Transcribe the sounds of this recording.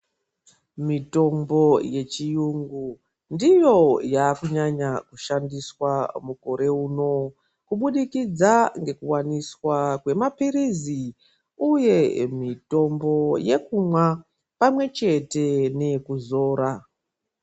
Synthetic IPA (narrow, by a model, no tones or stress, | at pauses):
mito̞mbo̞je̞t͡ʃijuŋɡu | ndijo̞jaːkuɲaɲakuʃandiswamuko̞ɾe̞uːno̞ | kuɓuɗikid͡zaŋɡe̞kuwaniswakwe̞mapiɾizi | uje̞mito̞mbo̞je̞kumwa | pamwe̞t͡ʃe̞te̞ne̞kuzo̞ːɾa